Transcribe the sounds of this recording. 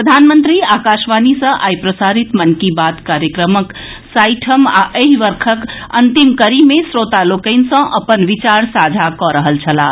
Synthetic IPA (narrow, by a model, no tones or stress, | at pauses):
pɾəd̪ʱanmənt̪ɾiakaʃʋanisə̃ʔajpɾəsaɾit̪mənkibat̪kaɾjəkɾəmək | saɪʈʰəmaʔəɦʋəɾkʰəkə̰nt̪imkəɾimesɾot̪alokəɪnsə̃ʔəpənʋit͡ʃaɾsad͡ʒʱakɔɾəɦəlt͡ʃʰəla